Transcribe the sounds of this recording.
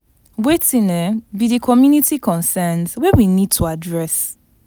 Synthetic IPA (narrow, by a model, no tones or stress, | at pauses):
wetĩnɛbidikʰɔmjunitikʰɔ̃nsɛndwɛwinid̚tʰuadɹɛs